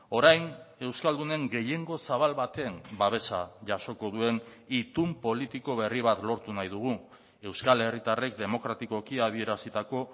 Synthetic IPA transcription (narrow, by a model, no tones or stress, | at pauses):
o̞ɾajne̞wskald̪une̞ŋɡe̞je̞ŋɡo̞saβ̞alβat̪e̞ːmbaβe̞sa̰ʝaso̞ko̞ðue̞nit̪umpo̞lit̪iko̞β̞e̞riβ̞at̪lo̞ɾt̪unajðuɣ̞u | e̞wskale̞rit̪are̞k̚d̪e̞mo̞kɾat̪iko̞kiað̞ie̞ɾasit̪ako̞